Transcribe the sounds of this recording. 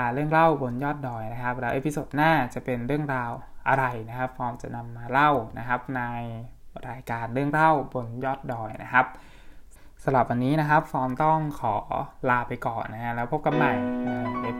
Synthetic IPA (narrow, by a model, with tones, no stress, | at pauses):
a˧ɾɯ˥˩əŋɾa˥˩wbo˧njɔː˥˩t̪̚dɔː˨˩jna˦˥kʰa˦˥p̚lɛː˦wʔeː˦˥pʰi˧˥soː˨˩t̪̚naː˥˩t͡ɕa˨˩pe˧nɾɯ˥˩əŋɾaː˧wʔa˧ɾa˧jna˦˥kʰa˦˥p̚fɔː˧˥mt͡ɕa̰˨˩na˧mːaː˧la˥˩wna˦˥kʰa˦˥p̚na˧jɾaː˧jkaː˧nɾɯ˥˩əŋɾa˥˩wbo˧njɔː˥˩t̪̚dɔː˨˩jna˦˥kʰa˦˥p̚ | sa˧la˨˩p̚wa˧nːiː˦˥na˦˥kʰa˦˥p̚fɔː˧mt̪ɔ˥˩ŋkʰɔː˩˦laː˧pa˧jkɔː˨˩nːa˦˥kʰa˦˥lɛː˦˥wpʰo˦˥p̚ka˧mna˨˩ja˧e˧˦